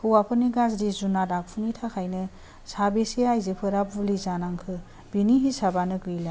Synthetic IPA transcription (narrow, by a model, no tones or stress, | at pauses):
hɯwapʰɯniɡazdizunadak̚pʰunitʰakʰajnɯ | sabesiajzepʰɯɾap̚ulizanaŋkʰɯ | b̥iniɦisabanɯɡɾila